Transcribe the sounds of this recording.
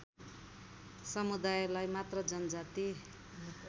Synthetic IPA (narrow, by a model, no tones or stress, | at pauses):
sʌmud̪ajlajmat̪rʌd͡zʌnd͡zat̪i